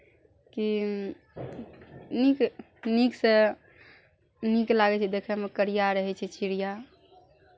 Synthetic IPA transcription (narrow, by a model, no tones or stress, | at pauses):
ki | nik | niksə̃ | niklaɡɛt͡ʃʰɛd̪ekʰɛmekəɾijaɾəɦɛt͡ʃʰɛt͡ʃiɾija